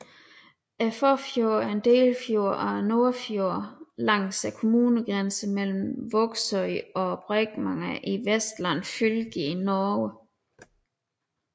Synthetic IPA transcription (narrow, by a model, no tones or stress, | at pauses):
æfɒfjo̝ɐ̰ɐe̝nd̥e̝̰ːlfjo̝ɐ̰ɒæno̝ɐfjoɐ̰lɑ̈ŋ̰sækʰo̝muːnəɡ̥ʁansəmel̰m̩ʋɔɡ̥sɒɪɒ̽b̥ʁɛɡ̥mɑ̈ŋæʔiʋesd̥læn̰fylɡ̥inɒːwə